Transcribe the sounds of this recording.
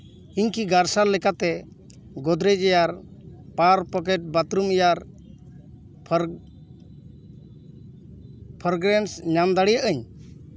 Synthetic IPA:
iɲkiɡaɾsalːɛkat̪ɛ | ɡɔd̪ɾɛd͡ʒɛjaɾpaɾpɔkɛʈ̚bat̪ɾumjaɾ | pʰ | pʰɔɾɡɾɛnsɲamd̪aɽijəʔəɲ

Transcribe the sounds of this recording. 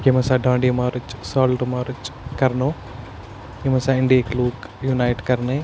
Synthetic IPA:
kimɐsaɖãːɳɖimaːɾut͡ʃsaːlʈmaːɾut͡ʃkɐɾnoː | kimɐsaɪɳɖiekluːkjunajʈkɐɾne

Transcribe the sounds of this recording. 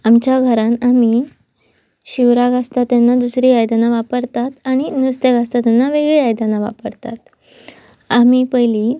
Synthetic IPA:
amt͡ɕjaɡʱəɾanami | ɕiʋɾaɡast̪at̪janːad̪usɾiːajd̪anaʋapəɾt̪at̪aɽ̃inust̪əɡast̪at̪janːaʋeɡɭeajd̪anaʋa̰pəɾt̪a̰t̪ | amiːpəjli

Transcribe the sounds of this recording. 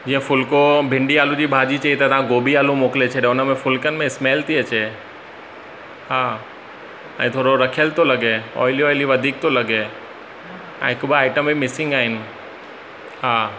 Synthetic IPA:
d͡ʑĩːə̃fʊlkobʱɪ̃ɳɖiaːlũd͡ʑiːbʱaːd͡ʑit͡ɕɐit̪ɐt̪ɐʋãɡoːbʱiaːlũmoːklet͡ɕʰɐɗẽʊnəmẽfʊlkənɪ̆mẽɪsmeːlt̪ʰiɐt͡ɕe | ɦaː | ɛ̰̃ːt̪ʰoːɽoɾɐkʰijəlt̪ʰolɐɡeɔ̰ːɪliɔːɪliʋɐd̪ʱiːk̚t̪ʰolɐɡe | ɛ̰̃ːɦɪkbɪaːɪʈəmimɪsɪ̃ŋɡaːɦɪnɪ̆ | ɦaː

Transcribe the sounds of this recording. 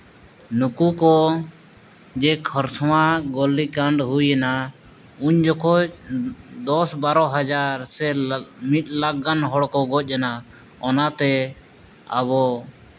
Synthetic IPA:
nukukɔ | d͡ʒɛkʰɔɾsʰɔwaɡɔlːikaɳɖɦujɛna | uɲd͡ʒɔkɔ | d̪ɔsbaɾɔɦad͡ʒaɾsɛmit̪̚ˀlaɡːanɦɔɽkɔɡɔc̚ˀjɛna | ɔnat̪ɛ | a̰βɔ

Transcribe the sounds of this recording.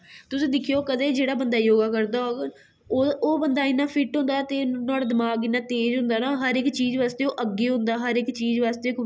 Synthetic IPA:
t̪ʊsĩːd̪ɪkʰijoːkəd̪eːd͡ʒeːɽaːbənd̪aːjoːɡaːkəɾd̪aːoːɡ | oːoːbənd̪aːɪnːaːpʰɪʈɦʊ̃nd̪aːt̪eːnaːɽaːd̪ɪmaːɡɪnːãːt̪eːd͡ʒɦʊ̃nd̪aːnaːɦəɾɪkt͡ʃiːzʋaːst̪eːoːʔəɡːeːɦʊ̃nd̪aːɦəɾɪkt͡ʃiːzʋaːst̪eːk

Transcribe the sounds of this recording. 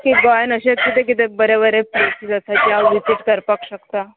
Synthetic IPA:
kiɡajnəɕekit̪ek̬it̪ebəɾebəɾepɾesizəsat͡ɕjaʋit͡siʈkəɾpakɕəkt̪a

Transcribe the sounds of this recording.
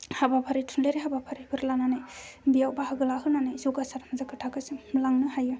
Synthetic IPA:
habapʰaɾitʰunleɾiɦabapʰaɾibʰɯɾlananajbijawbahaɡɯlaɦɯnanajzoɡasaɾmazakɯtʰakɯsɯmlaŋnɯhajɯ

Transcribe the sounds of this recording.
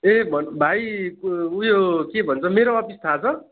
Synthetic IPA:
ebʱʌnbʱaj | ujokebʱʌnt͡sʰʌmeɾoʌpist̪ʰat͡sʰʌ

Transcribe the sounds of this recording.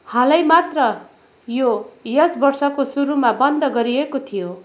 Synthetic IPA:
hʌlʌjmat̪rʌ | jojʌsbʌrsʌkosuɾumabʌnd̪ʌɡʌɾiekot̪ʰijo

